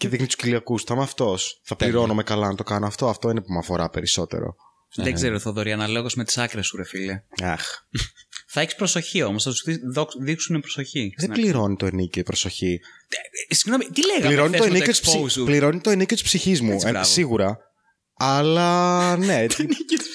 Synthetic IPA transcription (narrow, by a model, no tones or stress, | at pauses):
ceðixnit̪u̥sciliɐkust̪ɐmɐft̪o̞sθɐpliɾo̞nome̞kɐlɐnɐt̪o̞kɐnoɐft̪o̞ɐft̪o̞inepumɐfo̞ɾɐpe̞ɾiso̞t̪ḛɾo̰ | ðeɡzeɾoθoðoɾiɐnɐleɣosmet̪i̥sɐkɾesuɾefilɐɐx | θɐeçispɾoso̞çio̞mosθɐt̪usðiðokðiksunepɾoso̞çiðebliɾo̞nit̪o̞enicoipɾosoçi | siɣno̞mit̪ileɣɐpliɾo̞nit̪oenijot̪sspliɾo̞nit̪oeniceot̪i̥spsiçizmueɐsiɣuɾɐ | ɐlɐne̞tnit̪